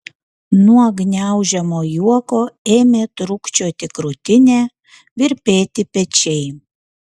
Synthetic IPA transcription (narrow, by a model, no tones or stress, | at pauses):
nuɔɡnʲæˑʊʒʲɛmoːjuɔkoːeːmʲeːt̪ɾʊkt͡ʃʲoːt̪ʲɪkɾʊt̪ʲɪnʲeː | ʋʲɪɾʲpʲeːt̪ʲɪpʲɛt͡ʃʲɛɪ